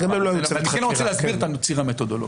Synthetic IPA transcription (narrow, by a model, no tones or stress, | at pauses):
ɡamemloajuanienloot͡selehasbiʁt̪anot͡siʁamet̪od̪oloɡ